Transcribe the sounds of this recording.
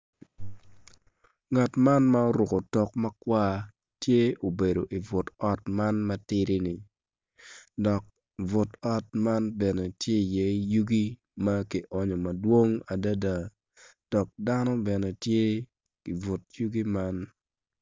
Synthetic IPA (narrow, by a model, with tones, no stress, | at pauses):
ŋa˨tma˦nma˦o˦ɾʊ˨ko˨tɔ˨kmɐ˦kwa˦ | tje˦o˨be˨do˨ʔi˨vʊ˨tɔ˦tma˦nmɐ˦tɪ˦ɾi˦nɪ˨ | dɔ˨k̚ | vʊ˨tɔ˦tma˦nbɛ˨nɛ˨tje˦i˨jɛ˨˦ju˦ɡi˦ | ma˦ki˨ʔɔ˨ɲɔ˨mɐ˨dwo˦ŋa˨da˦da˦ | d̥ɔ˨k̚da˦nɔ˦bɛ˨nɛ˨tje˦ | ki˨vʊ˨tju˦ɡi˦ma˦n